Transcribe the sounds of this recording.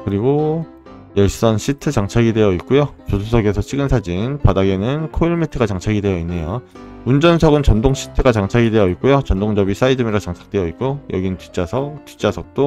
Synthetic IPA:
kɯɾiɡo | jʌɭs͈ʌnɕʰitʰɯt͡ɕaŋt͡ɕʰaɡide̞jʌit̚k͈ujot͡ɕosʰusʰʌɡe̞sʰʌt͡ɕʰiɡɯnsʰad͡ʑinpadaɡe̞nɯnkʰoiɭmitʰɯɡat͡ɕaŋt͡ɕʰaɡidwe̞jʌinːejo | und͡ʑʌnsʰʌɡɯnt͡ɕʌndoŋɕʰi̥tʰɯɡat͡ɕaŋt͡ɕʰaɡidwe̞jʌit̚k͈ujot͡ɕʌndoŋd͡ʑʌbis͈aidɯmiɾat͡ɕaŋt͡ɕʰḁk̚t͈we̞jʌit̚k̚k͈ojʌ̰ɡinɯntɥit͡ɕ͈asʰʌtit͡ɕ͈asʰʌk̚t͈o

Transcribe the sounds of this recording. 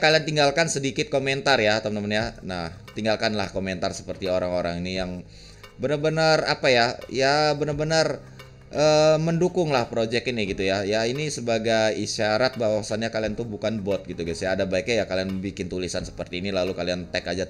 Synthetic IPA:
kaliant̪iŋɡalkansədikɪt̪̚koment̪arjat̪amnəmaɲanaht̪iŋɡalkanla̰hkoment̪arsə̥pərt̪ioɾaŋoɾaŋinijaŋ | bənərbənərapajajabənərbənər | ʔəməndukʊŋlahpɾod͡ʒɛkiniɡit̪ujajainisəbaɡajiʃaɾat̪̚bawasanɲakaliant̪uhbukanbɔt̪̚ɡit̪uɡasjaːdabaik̚ɲajakalianbikɪnt̪ulisansə̥pərt̪iːnilalukaliant̪ɛkad͡ʒa

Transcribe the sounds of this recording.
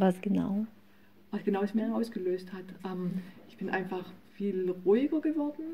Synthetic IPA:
vasɡ̥əna̰ʊ | vasɡ̥ənaʊɛsmiːɐʔaʊsɡ̥əløːsthatʔɛmʔɪçb̥ɪnʔa̰ɪnfaχfiːlʁuːɪɡɐɡəvɔɐdn̩

